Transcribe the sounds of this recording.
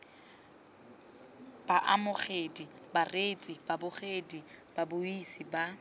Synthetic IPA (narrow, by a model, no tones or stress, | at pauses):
b̥aʔamʊχedibaret͡sʼibabʊχedib̥abʊisiba